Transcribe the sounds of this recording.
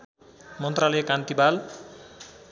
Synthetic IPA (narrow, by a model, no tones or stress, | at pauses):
mʌnt̪ralʌjkant̪ibal